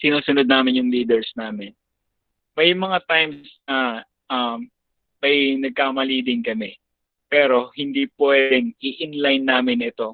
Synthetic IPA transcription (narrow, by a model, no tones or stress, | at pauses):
sɪnuːsʊnod̪̚naːmɪnjʊŋliːd̪ɛɹsnaːmɪn | mɐjmɐŋat̪ajmsnɐ | ʔɐm | mɐjnɐɡ̚kaːmɐliːd̪ɪŋkɐmɛ | pɛːɾo̞hɪnd̪ipwɛːd̪ɛŋʔɪʔɪnlajnːaːmɪnʔɪt̪o̞